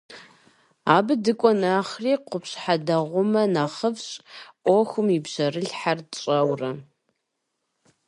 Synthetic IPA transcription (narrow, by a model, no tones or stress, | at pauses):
aːbɨdɨkʷʼɔnaːχriːqʷʊpʰɕħadɐʁʷʊmɐnaχəbɕʼʔʷɔxʷʊmibʑɐrɨɮħart͡ʃʼɐwrɐ